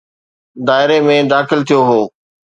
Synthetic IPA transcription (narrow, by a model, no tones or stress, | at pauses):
d̪aːɪɾemẽd̪aːxɪlt̪ʰijoɦoː